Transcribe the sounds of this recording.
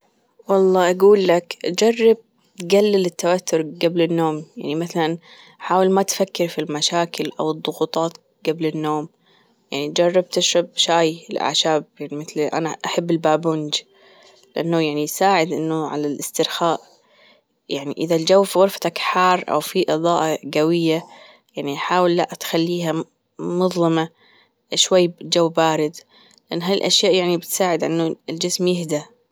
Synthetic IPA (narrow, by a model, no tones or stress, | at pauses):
wɑlˤːɑːʔaɡuːlːakd͡ʒɑrˤːɑb̚ | t̪ɡalːɪlɪt̪ːawat̪ːʊɾɡablɪnːoːmjaʕnimaθalan | ħaːwɪlmat̪fakːɪɾfilmaʃaːkɪlʔa̰wɨðˤːʊɣuːt̪ˤɑːt̪ | ɡ̥ablɪnːoːm | jaʕnid͡ʒɑrˤːɑb̚t̪ɪʃɾˤɑb̚ʃaːjɪlʔa̰ʕʃaːb̚jaʕnimɪθlʔa̰naʔaħabːɪlbaːbʊnd͡ʒ | lɪʔanːʊjaʕnisaːʕɪd̪ʔɪnːʊʕa̰lalʔɪst̪ɪɾxaːʔ | jaʕniʔɪðald͡ʒawːfiɣɑɾˤfḁt̪akħɑːrˤːʔa̰wfiʔɨðˤɑːʔɑɡawɪjːa | jaʕniʔħaːwɪlːaʔt̪xalːiːɦa | mʊðˤlɨma | ʃwajːd͡ʒawːbaːɾɪd̪ | lɪʔanːɦaɪlʔaʃjaːʔjaʕnibɪt̪saːʕɪd̪ʔa̰nːʊld͡ʒɪsmjɪhd̪a